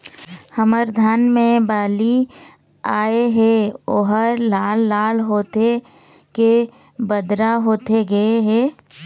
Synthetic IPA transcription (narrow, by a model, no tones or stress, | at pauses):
həməɾd̪ʱaːnmẽbaːli | aːeɦɛoːɦəɾlaːlːaːlɦoːt̪e | ke | bəd̪ɾaɦoːt̪eɡɐeɦɛː